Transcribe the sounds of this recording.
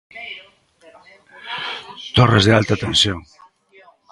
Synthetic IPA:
t̪ɔrezðealt̪at̪ẽnsjoŋ

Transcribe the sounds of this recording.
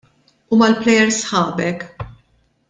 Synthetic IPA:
umɐlplɛjɛɾsħɐːbɛk

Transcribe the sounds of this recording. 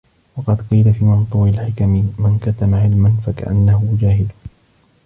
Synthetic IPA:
wɑqɑd̪qiːlafiːmɪnt̪ˤuwɪlħɪkammankat̪amaʕɪlmanfaka̰ʔa̰nːahʊd͡ʒaːɦɪl

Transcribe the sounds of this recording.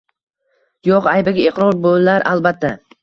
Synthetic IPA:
joqajbaɡʲaeqɾɒɾbollaɾʔa̰lˠbat̪ʰːa

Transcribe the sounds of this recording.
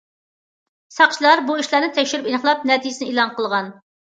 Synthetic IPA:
sɑqt͡ʃʰilˠɑɾbuiʃlˠɑɾnɨt̪ʰɛkʲʃyɾypinəχlˠɑp̚nɛt̪ʰijɪsɪnɪilˠɑnqəlˠʁɑn

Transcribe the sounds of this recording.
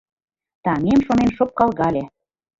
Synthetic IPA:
t̪ɑŋemʃonenʃop̚kɑlˠɣɑlʲe

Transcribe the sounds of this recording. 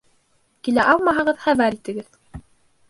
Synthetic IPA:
kilæʔɑlˠmɑɦɤ̆ʁɤðχæβæɾit̪ɘ̆ɡɘð

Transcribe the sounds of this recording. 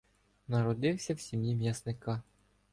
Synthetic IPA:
nɐɾɔd̪ɪwsʲɐwsʲimʲjimʲjasnɪkɑ

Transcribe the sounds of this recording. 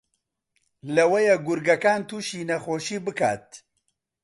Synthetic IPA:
lɐwɐjɛɡʊɾɡɐkaːnt̪uːʃiːnɐxoːʃiːbɨkʰa̰ːt̪̚

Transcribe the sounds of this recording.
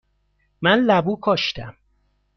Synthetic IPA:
mænlæbuːkʰɒːʃt̪ʰæm

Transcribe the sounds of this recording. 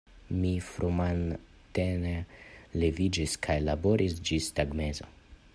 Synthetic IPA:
mifɾuman | t̪enelevid͡ʒiskʰajlabo̞ɾʔisd͡ʒistaɡmezo̞̰

